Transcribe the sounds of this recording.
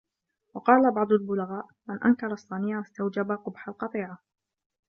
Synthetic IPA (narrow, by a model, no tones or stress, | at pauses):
wɑqɑːlabɑʕd̪ˤʊlbʊlaɣaːʔ | manʔa̰nkɑɾˤɑsˤːɑniːʕast̪awd͡ʒabaqʊbħalqɑt̪ˤiːʕa